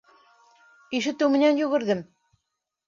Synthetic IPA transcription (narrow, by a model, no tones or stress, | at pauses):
iʃɘ̆t̪ːɘwmɘ̆nænjʉɣɘ̆ɾðɘm